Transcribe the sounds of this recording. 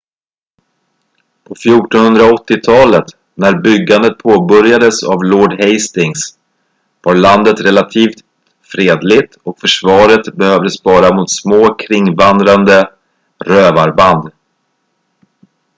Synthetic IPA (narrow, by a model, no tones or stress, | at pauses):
pʰɔfjuːʈɔnhɵnd̪ɾaɔt̪ːɪt̪ʰɑːlət̪ | næɾbʏɡːand̪ət̪̚pʰoːbœɾjad̪əsavlɔɖhɛjst̪ɪŋs | vaɾɭand̪ət̪ɾɛlat̪ʰiːft̪ | fɾeːd̪lɪt̪ɔkfœʂvɑːɾət̪bɛhøːvd̪əsbɑːɾamʊt̪smoːkʰɾɪŋːvand̪ɾand̪ə | ɾøːvaɾband̪